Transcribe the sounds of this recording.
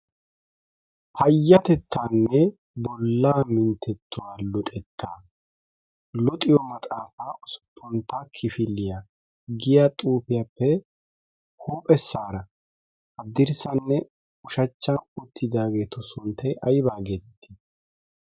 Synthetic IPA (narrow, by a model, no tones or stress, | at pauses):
hɐjːɐt̪ɛt̪ʰːaːnːɛ | bɔlːaːmɪnt̪ʰːɛt̪ʰːʊwaːlɔt̪ʼɛt̪ʰːaː | lɔt̪ʼɪjɔmɐt̪ʼaːfasʊ̥pʰːɔnt̪ːakʰɪfɪlːɪja | ɡɪjat̪ʼuːpɪjapːɛ | huːpʼɛsːaːɾɐ | hɐd̪ɪɾsɐnːɛ | ʊʃɐt͡ʃːɐnʊt̪ʰːɪd̪aːɡe̞ːt̪ɔsʊnt̪ːɐjʔɐjbaːɡet̪ːɪ̥